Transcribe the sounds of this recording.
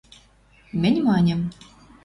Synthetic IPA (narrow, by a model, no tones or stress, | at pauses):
mɘ̆nʲmɑnʲə̆m